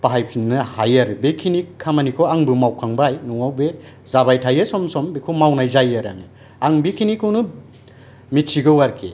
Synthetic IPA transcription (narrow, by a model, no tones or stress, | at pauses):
paɦajpʰinːɯhajaɾbekʰiniamanikʰɔaŋbɯmawkʰaŋbajnuŋawbezabajtʰajesɔmsɔmbekʰɔmawnajzajaɾa̰nɯ | aŋbekʰinikʰɯwnɯ | mitsiɡɯwaɾkʰḛ